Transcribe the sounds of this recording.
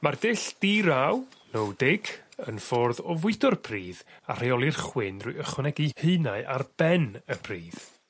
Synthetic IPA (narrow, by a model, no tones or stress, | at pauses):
mardɪɬd̥iɾawnɔwdɪɡə̰nfɔrðɔvʊɨdɔrpʰriːða̰r̥ejɔlˠirχwɪnrujəχwɪnɛɡiheɨnaɨʔarb̥ɛnəpʰriːð̥